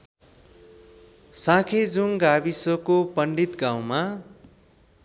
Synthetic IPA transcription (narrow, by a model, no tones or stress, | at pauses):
sãkʰed͡zuŋɡabisokopʌɳɖit̪ɡãw̃ma